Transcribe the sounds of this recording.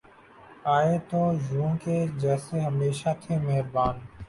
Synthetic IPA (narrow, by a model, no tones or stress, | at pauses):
aːeːt̪oːjũːkeːd͡ʒɛːseːɦəmeːʃaːt̪ʰeːməɦɾbaːn